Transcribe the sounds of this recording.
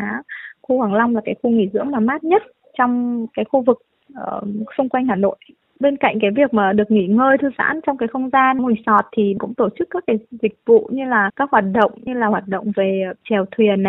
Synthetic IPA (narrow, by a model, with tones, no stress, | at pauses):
aː˨˦xu˧hwaː˧˩ŋla˧wŋ͡mlaː˨˩kaː˨˦jxu˧ŋḭ˧˩zɨ̰˧˥əŋmaː˨˩maː˦˥t̚ɲə˦˥t̚ | t͡ɕɔ˧wŋ͡mkaː˨˦jxu˧vɨ˨˩k̚ | ʔəː˨˩sʊ˧ŋ͡mkwa˧jŋ̟haː˨˩no̰˧˨j | ɓe˧nka̰˧˨jŋ̟kaː˨˦jvi˨˩ək̚maː˨˩ɗɨ˨˩ək̚ŋḭ˧˥ŋəː˧jt̪ʰɨ˧za̰ː˧˥nt͡ɕɔ˧wŋ͡mkaː˨˦xə˧wŋ͡mzaː˧nŋu˨˩sɔ˨˩t̚t̪ʰi˨˩kʊ̰˧˥ŋ͡mt̪o˧˩t͡ɕɨ˦˥kːaː˦˥k̚ːaː˨˦jzï˨˩k̚vṵ˧˨ɲɨ˧laː˨˩kaː˦˥k̚hwaː˨˩t̚ɗə̰˧˨wŋ͡mɲɨ˧laː˨˩hwaː˨˩t̚ɗə̰˧˨wŋ͡mve˨˩t͡ɕɛ˨˩wt̪ʰwi˨˩ənːa˨˩j